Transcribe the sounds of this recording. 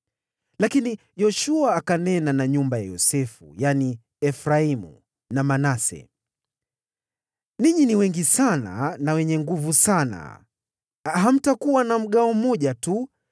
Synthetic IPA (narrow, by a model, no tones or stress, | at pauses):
lakini | jɔʃuaːkanɛnanaɲumbaja̰jɔ̰sɛfṵjani | ɛfɾaimṵ | namanasɛ̰ | niɲiniwɛŋɡisana̰nawɛɲɛŋɡuvusana̰ | ɦam̩takuwanam̩ɠaɔm̩ɔʄatu